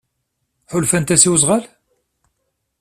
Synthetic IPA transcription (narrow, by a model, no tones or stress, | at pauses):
ħʊlfænt̪æsiwzˤʁæl